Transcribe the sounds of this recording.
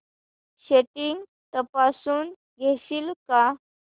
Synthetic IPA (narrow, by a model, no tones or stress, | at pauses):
ɕeʈiŋɡ | t̪əpasuːn | ɡʱeɕiːlka